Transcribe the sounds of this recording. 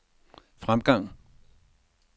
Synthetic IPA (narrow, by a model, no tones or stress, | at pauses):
fʁamɡ̥ɑ̈ŋ̰